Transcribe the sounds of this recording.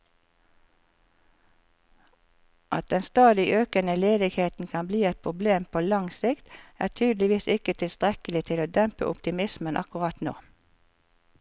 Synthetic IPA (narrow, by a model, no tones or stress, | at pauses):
ʔɑt̪̚d̪ɛnst̪ɑːd̪ɪʔøːkənəleːd̪ɪɡheːt̪n̩kʰɑnbliːɛt̪̚pʰʁʊbleːmpʰoːlɑŋsɪkt̪æːʁt̪ʰyːd̪lɪʋiːsɪkət̪ʰɪlst̪ʁɛkəlɪt̪ʰɪloːd̪œmpə̰ʔʊ̰pt̪ɪmɪsmənʔɑ̰kʊʁɑt̪no̰ː